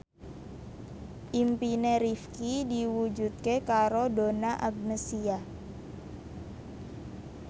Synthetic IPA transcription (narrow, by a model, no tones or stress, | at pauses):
ʔimpineɾifkidiwud͡ʒṳt̪̚kekaɾodonaʔaɡ̚nəsia